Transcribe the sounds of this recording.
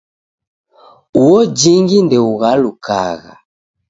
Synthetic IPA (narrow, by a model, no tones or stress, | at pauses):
uɔd͡ʒiŋɡindɛuɣaluka̰ɣa̰